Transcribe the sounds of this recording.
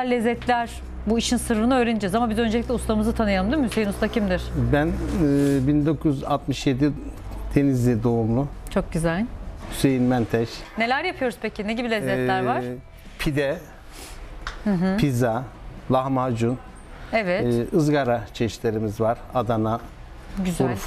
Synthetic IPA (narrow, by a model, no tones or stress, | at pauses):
ælʲːezːɛt̪ʰlʲæɾ̥ | buiʃinsɯɾɾɯnaøːɾenid͡ʒɛzamabizø̞nd͡ʒelʲictʲɛust̪ʰˠamɯzɯt̪ʰanɯjalˠɯmd̪iɾmyse̞jinust̪ʰacʰimd̪iɾ̥bænbind̪o̞kʰuyza̰lt̪mɯʃje̞d̪id̪ʰe̞nizlʲid̪o̞umlˠʊt͡ʃʰo̞k̚ɟyzælʲysejinmænt̪ʰɛʃne̞lʲæɾjapʰɯjo̞ɾuspʰecineɟibilʲezɛlʲæɾvaɾ | pʰid̪ɛ | h̩ɦɯpʰizalˠahmad͡ʒun | evɛt̪ːɯzɡaɾat͡ʃʰeʃlʲe̞ɾimizvaɾ̥ad̪ana | ɟyzuɾuf